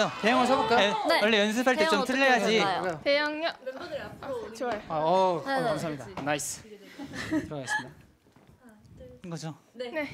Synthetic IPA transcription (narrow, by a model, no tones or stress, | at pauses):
ote̞jʌŋɯɭs̬ʰʌbok͈ajoenewʌɭːe̞jʌns̬ʰɯpʰaɭt͈et͡ɕomtʰɯʎːʌjad͡ʑit̪ejʌŋʌ | aʌkaams̬ʰamɲidanais͈ʰɯ̥ | tɯɾʌɡaɡes͈ɯmida | ɡʌd͡ʑone